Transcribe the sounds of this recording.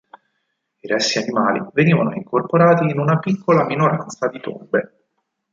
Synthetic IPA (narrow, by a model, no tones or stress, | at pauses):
iɾɛsːianimaːlḭveniːvanoiŋkorpoɾaːt̪iːnunapikːolaminoɾant̪sad̪it̪o̰mbe